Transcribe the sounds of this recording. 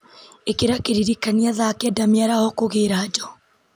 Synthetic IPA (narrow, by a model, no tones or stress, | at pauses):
ekeɾakeɾiɾikaniaðakɛdamiaɾahɔkoɣeɾad͡ʒɔ